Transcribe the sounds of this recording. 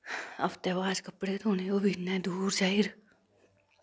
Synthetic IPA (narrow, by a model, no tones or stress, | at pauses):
ə̰pt̪eːʋaːd͡ʒkəpɽeːt̪ʰoːneːoːbʱinːɛ̃ːd̪uːɾd͡ʒaːiːɾ